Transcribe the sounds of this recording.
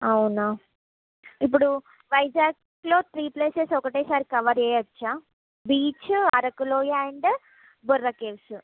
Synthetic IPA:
ɐwnaː | ip̬ːuɽu | ʋɐjd͡ʒaːk | loːt̪ʰɾiːpleːsesɔkɐʈeːsaːɾikɐʋɐɾeːɐt͡ʃːaː | biːt͡ʃɐɾɐkuloːjaɳɖ | burːɐkeːʋs

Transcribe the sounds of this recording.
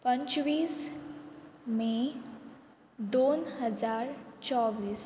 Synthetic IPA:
pə̃ɲt͡ɕʋiːs | me | d̪onɦəd͡zaɾt͡ɕɔʋiːs

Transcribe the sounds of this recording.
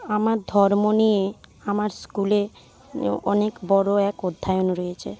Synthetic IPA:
amaɾd̪ʱɔɾmonijeamaɾskule | ɔ̰nekbɔɾoɛkod̪ʱːajonɾojet͡ɕʰḛ

